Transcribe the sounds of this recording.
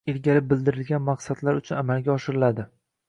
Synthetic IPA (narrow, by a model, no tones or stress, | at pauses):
elɡʲaɾɪp̚bɪld̪ɪɾɪlɡʲanmaqsad̪laɾʊt͡ʃʰʊnamalˠɡʲaɒʃɪɾɪlad̪ɪ